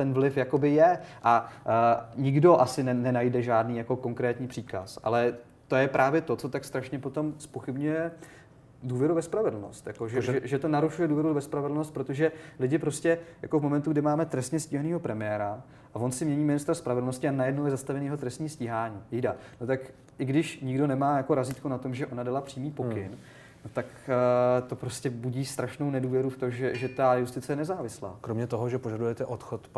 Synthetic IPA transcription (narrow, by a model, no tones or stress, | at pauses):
t̪ɛnvlɪfjako̞bɪjɛʔa | ɲɪɡdo̞ʔasɪnɛnɛnajdɛʒaːdniːjako̞ko̞ŋkɾɛːt̪ɲiːpr̝̥iːka̰sʔa̰lɛ | t̪o̞jɛpɾʔaːvjɛt̪o̞t͡so̞t̪akst̪ɾaʃɲɛpo̞t̪o̞mspo̞xɪbɲujɛ | duːvjɛɾuvɛspɾavɛdl̩no̞̰st̪jakoʒɛʒʒɛʒɛt̪onaɾuʃujɛduːvjɛɾuvɛspɾavɛdl̩no̞st̪̚pɾot̪oʒɛlɪɟɪpɾo̞scɛja̰ko̞vmo̞mɛnt̪uɡdɪmaːmɛt̪ɾɛst̪ɲɛsciːɦaniːɦo̞pɾɛmɪjɛːɾa | ʔavo̞nsɪmɲɛɲiːmɪnɪst̪ɾaspɾavɛdlno̞scɪanajɛdnowjɛzast̪avɛniːjɛɦot̪ɾɛst̪ɲiːsciːɦaːɲiːjidanot̪ak | ʔɪɡdɪʃɲɪɡdo̞nɛmaːjako̞ɾaziːt̪kunat̪o̞mʒɛʔo̞nadalapr̥iːmiːpo̞kɪn | not̪ak | t̪o̞pɾo̞scɛbuɟiːst̪ɾaʃnownɛduːvjɛɾuft̪o̞ʒɛʒɛt̪ajust̪ɪt͡sɛjɛnɛzaːvɪsla̰ːkɾomɲɛt̪oɦoʒɛpoʒadujɛt̪ɛʔot̪xot̪